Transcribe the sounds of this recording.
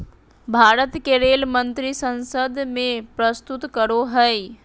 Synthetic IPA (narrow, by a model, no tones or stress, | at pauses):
bʱaːɾət̪keɾeːlmə̃nt̪ɾisə̃nsəd̪mẽpɾəst̪ʊt̪kəɾoɦəj